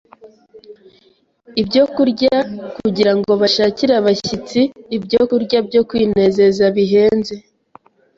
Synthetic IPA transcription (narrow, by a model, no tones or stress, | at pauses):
ibɟo̞kuɾɟakuɟiɾaŋɡo̞βaʃaːciɾaβaçit͡siːbɟokuɾɟabɟo̞kwiːne̞ze̞zaβiɦe̞ːnze̞